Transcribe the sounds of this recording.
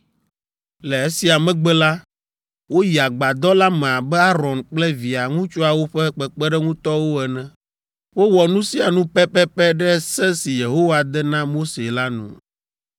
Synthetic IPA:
lɛ˨e˦si˨a˨mɛ̃˦ɡ͡bɛ˦la˦ | wo˦ji˨a˨ɡ͡ba˨d̪ɔ˦la˦mɛ̃˨a˨bɛ˦a˦ɾɔ̃˨nk͡plɛ˦vi˨a˨ŋũ˦t͡ʃu˦a˨wo˦ɸɛ˦k͡pɛ˨k͡pɛ˦ɖɛ˦ŋũ˦t̪ɔ˦wo˦ɛ˨nɛ̃˨ | wo˦wɔ˨nũ˦si˦a˨nũ˦pɛ˦pɛ˦pɛ˦ɖɛ˦sɛ˦si˨je˨ɦo˦wa˨d̪ɛ˦nã˦mo˦se˨la˦nṵ̃˨

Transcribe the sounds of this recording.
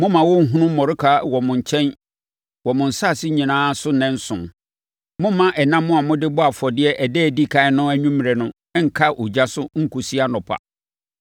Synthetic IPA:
mʊ̃˦mã˨wɔ˦ŋ̩˦ɦũ˦nʊ̃˦mɔ̃˨ɾɪ˦kʰa˦wɔ˨mʊ̃˨ɲ̩˨t͡ɕʰɛ̃˦n | wɔ˨mʊ̃˨n̩˨sa˦˨sɪ˦ɲĩ˨nãː˦sʊ˦nɛ̃˦n̩˦sʊ̰̃˨m | mʊ̃˦mːã˦ʔɛ˨nã˦mːʊ̃˦a˨mʊ̃˦dɪ˦bɔ˦a˨fɔ˨dɪ˦ɛ˦ʔæ˨dɛː˦˨di˦kʰã˨ɪ˦nʊ̃˦æ˦ɲũ˦m˨ɾɛ˨nʊ̃˦ŋ̩˨kʰa˦ʔo˨d͡ʑa˦sʊ˦ŋ̩˦kʰu˨si˦a˦nɔ̃˨pʰa̰˨

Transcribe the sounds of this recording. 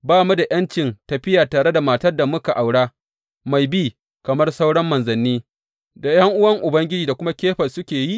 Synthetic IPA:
baː˦˨mu˦da˨j̰ɐ˦nt͡ʃɪ˨ntɐ˨ɸɪ˦jaː˨taː˨ɽe˦da˨maː˨tɐ˦rda˨mʊ˦ka˨ʔa˨wɽaː˦ | ma˨jbiː˦ | kɐ˨mɐ˦rsa˦wɽɐ˦mːɐ˨nzɐ˨nːiː˦ | da˨j̰ɐ˦ŋʔʊ˦wɐ˦ŋʔʊ˨bɐ˦ŋɡʲɪ˦d͡ʒiː˨da˨kʷʊ˦ma˦kʲeː˦ɸɐ˨sʊ˦kʲeː˨ji˦

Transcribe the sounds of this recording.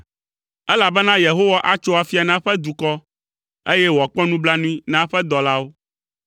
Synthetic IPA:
ɛ˦la˨bɛ˦nã˦je˨ɦo˦wa˦ʔa˦t͡ʃo˦a˨fi˦a˨nã˦ɸɛ˦d̪u˨kɔ˦ | e˦jɛ˦wɔ˨k͡pɔ˦nũ˦bla˦nũ˦i˦nã˦ɸɛ˦d̪ɔ˨la˦wo˦

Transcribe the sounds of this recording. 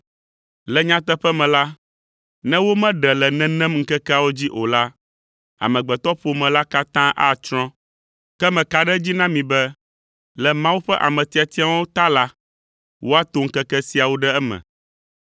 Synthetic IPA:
lɛ˨ɲã˦t̪ɛ˦ɸɛ˦mɛ̃˨la˦ | nɛ̃˦wo˦mɛ̃˦ɖɛ˨lɛ˨nɛ̃˦nɛ̃˦mŋ̩˦kɛ˦kɛ˦a˨wo˦d͡ʑi˦ʔo˨la˦ | a̰˨mɛ̃˨ɡ͡bɛ˨t̪ɔ˦ɸo˨mɛ̃˨la˦ka˦t̪ã˦ʔa˦t͡ʃɾ̃ɔ̃˦ | kɛ˦mɛ̃˨ka˨ɖɛ˦d͡ʑi˦nã˦mĩ˨bɛ˦ | lɛ˨mã˦wu˦ɸɛ˦ʔa̰˨mɛ̃˨t̪i˨a˨t̪i˦ã˦wo˦t̪a˦la˦ | wʔo˦a˦t̪o˦ŋ̩˦kɛ˦kɛ˦si˨˦a˨wo˦ɖɛ˦ɛ˦mɛ̰̃˨

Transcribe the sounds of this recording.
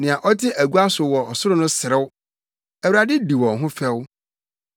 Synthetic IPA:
nɪ̃˨ã˨ʔɔ˦tʰɪ˦ʔæ˨ɡu˦a˦sʊ˨wɔ˨ɔ˨sʊ˦ɾʊ˦nʊ̃˦sɪ˨ɾɪ˦wʊ˦ | æ˨wa˨dɪ˦di˨wɔ̃˨ɦʊ̃˦fɛ˦wʊ˦

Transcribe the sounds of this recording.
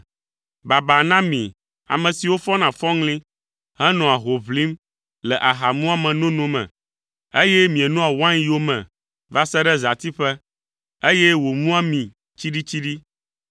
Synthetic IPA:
ba˨ba˨nã˦mĩ˨ | a̰˨mɛ̃˨si˨wo˦fɔ˦nã˨fɔ̃˦ŋlĩ˦ | ɦɛ˦nɔ̃˨a˨ɦo˨βli˦m | lɛ˨ʔa˨ɦa˨mũ˦a˨mɛ̃˨nõ˦nũ˦mɛ̰̃˨ | e˦jɛ˦mĩ˨ɛ˨nũ˦a˨wã˦ɲi˦wo˦mɛ̰̃˨ | va˦sɛ˦ɖɛ˦za˨t̪i˦ɸɛ˦ | e˦jɛ˦wo˨mũ˦a˦mĩ˨ | t͡ɕi˦ɖi˦t͡ɕi˦ɖi˦

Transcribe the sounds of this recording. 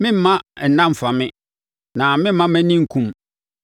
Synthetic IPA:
mɪ̃˦m̩˦mã˦ɛ˨nã˦m̩˨fa˨mɪ̃˦ | nã˨mɪ̃˦m̩˦mã˦mæ̃˦nĩ˦ŋ̩˨kʰũ˦m

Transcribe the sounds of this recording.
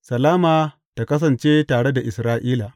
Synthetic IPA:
sɐ˨laː˦maː˨ | ta˨kɐ˦s̬ɐ˨nt͡ʃeː˦taː˨ɽe˦da˨ʔɪ˨sɾaː˦ʔiː˦la˨ʔ

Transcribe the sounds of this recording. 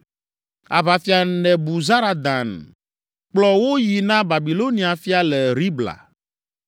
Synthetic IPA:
a̰˨βa˨fi˨a˨nɛ̃˨bu˨za˦ɾa˨d̪ã˨n | k͡plɔ˨wo˦ji˨nã˦ba˨bi˨lo˦nĩ˦a˨fi˦a˦lɛ˨ɾi˦bla̰˨

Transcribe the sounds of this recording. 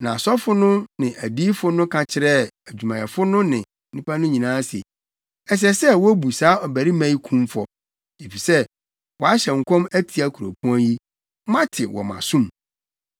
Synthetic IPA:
nã˨sɔ˦fʊ˦nʊ̃˦nɪ̃˨ʔæ˨di˦fʊ˦nʊ̃˦kʰã˨t͡ɕʰɪ˦ɾɛ˦˨æ˨d͡ʑᶣu˨mã˨ɛ˨fʊ˦nʊ̃˦nɪ̃˨nĩ˦pʰa˦nʊ̃˦ɲĩ˨nãː˦sḛ˨ | ɛ˨s̬ɛ˦sɛ˦wɔ˦bu˨saː˦ɔ˨bæ˨ɾi˦mæ̃˦i˦kʰũ˦mfɔ˦ | e˨fi˨sɛ˦ | wɔ˨a˦ɕɛ̃˨ŋ̩˨kʰɔ̃˦mæ˦tʰi˨a˦kʰu˨ɾo̰˨pʰũ˦a˦ji˦ | mã˦tʰɪ˨wɔ̰˨mã̰˨sũ˦m

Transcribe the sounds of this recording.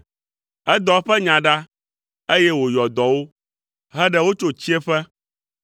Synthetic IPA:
ɛ˦d̪ɔ˨˦ɸɛ˦ɲã˨ɖa˦ | e˦jɛ˦wo˨jɔ˨d̪ɔ˨wo˦ | ɦɛ˦ɖɛ˦wo˦t͡ʃo˦t͡ɕi˦ɛ˦ɸɛ˦

